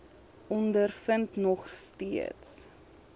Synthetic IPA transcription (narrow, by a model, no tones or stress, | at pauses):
ɔndərfəntnɔχstiə̰ts